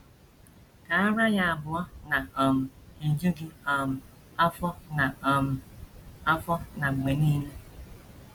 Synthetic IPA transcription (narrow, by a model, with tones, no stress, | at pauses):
ka˨a˦ɾa˦ja˦a˨bʊ˨ɔ˦na˨ɔ˨m̩˨e˨d͡ʒe˦ɡɪ˦ɔ˨m̩˨ | a˦fɔ˦na˨ɔ˨m̩˨a˦fɔ˦na˨ŋ͡m̩˨ɡ͡be˨niː˦le˦